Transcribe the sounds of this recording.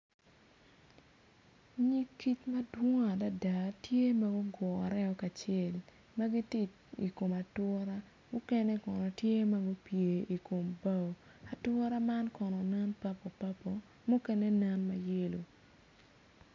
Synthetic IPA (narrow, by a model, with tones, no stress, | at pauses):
ɲi˦kːi˦t͡ʃmɐ˦dwo˦ŋa˨da˦da˨tje˦ma˦ɡʊ˦ɡwɔ˨a˨ɾɛ˦ɔ˨ka˨t͡ʃɛ˦˨l | ma˦ɡi˦tɪ˦t͡ʃ | ḭ˨ko˨ma˨twɔ˦ɾa˦ | mʊ˦kɛ˦nɛ˦kɔ˨nɔ˨tje˦ma˦ɡo˦pje˨i˨ko˨mba˦˨ | a˨twɔ˦ɾa˦ma˦nkɔ˨nɔ˨na˦npa˦pɔ˨pa˦pːɔ˨ | mʊ˦kɛ˦ne˦nɛ˦nma˨je˦lo˨